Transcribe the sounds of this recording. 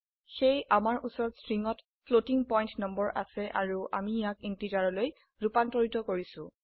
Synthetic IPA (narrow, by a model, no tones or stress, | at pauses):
xejʔamaɹʔusɔɹɔtsɹiŋɔt | pʰlotiŋpɔjntnɔmbɔɹʔa̰sɛʔaɹuʔa̰mijakintidaɹɔloj | ɹupantɔɹitɔkoɹisʊ̰̃